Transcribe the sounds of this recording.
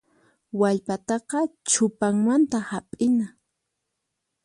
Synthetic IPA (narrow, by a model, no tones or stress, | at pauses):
waʎpat̪ɑqɑt͡ʃʰʊpaŋmant̪ahapʼɪna